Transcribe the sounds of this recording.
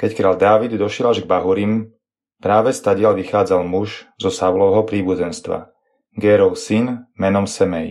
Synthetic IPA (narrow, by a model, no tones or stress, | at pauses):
kɛckɾaːld̪aːʋid̪d̪ɔʃɪɛlaʒɡbaɦuɾim | pɾaːʋɛst̪aɟɪalʋixaːd͡zalmuʒzɔsaʊlɔʋɦɔpɾiːbud͡zɛnst̪ʋa̰ | ɡɛːɾɔʊsinmɛnɔmsɛmɛj